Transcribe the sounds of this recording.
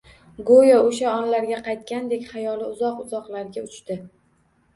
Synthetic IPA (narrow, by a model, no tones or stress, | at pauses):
ɡojaoʃaɒnlaɾɡʲaqʰɑjt̪̚kʲand̪e̞kʲχajɒlɪʊzɒqʊzɒqlaɾɡʲaʊt͡ʃt̪ɪ